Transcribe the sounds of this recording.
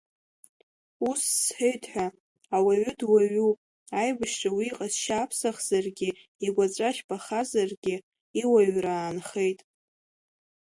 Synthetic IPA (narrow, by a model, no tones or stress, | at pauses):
usːħejtʰʼħʷᶣa | awaɥʏdwaɥu | ajbaʃrawiːqʼazʃaːpʰsaχz̥arɡʲɪ | iɡʷat͡sʼaʃbʰʼaχazarɡʲɪ | iwaɥraːnχe̞jtʼ